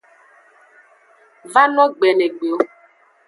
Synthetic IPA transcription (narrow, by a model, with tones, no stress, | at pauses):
va˦nɔ˦ɡ͡bɛ˨nɛ˨ɡ͡be˨o˦